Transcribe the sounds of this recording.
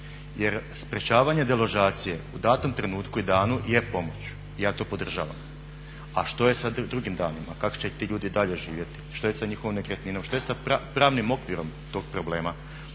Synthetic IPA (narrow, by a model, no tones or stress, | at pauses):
jeɾspɾet͡ɕaːʋaɲe̞d̪elˠo̞ʒaːt̪sije̞ud̪aːt̪omt̪ɾe̞nuːt̪kuid̪aːnujepo̞mo̞t͡ɕu̥ | ijaːt̪o̞ːpo̞d̪r̩ʒa̰ːʋa̰m | a̰ʃt̪o̞je̞sad̪ɾuɡimd̪aːnima̰kako̥t͡ɕe̞t̪iːʎuːd̪id̪aʎe̞ʒiːʋje̞t̪i̥ʃt̪o̞jesaɲixo̞ʋimnekɾet̪ninomʃt̪o̞esapɾaːʋnimo̞kʋiɾo̞mt̪o̞ːɡ̚pɾoble̞ːma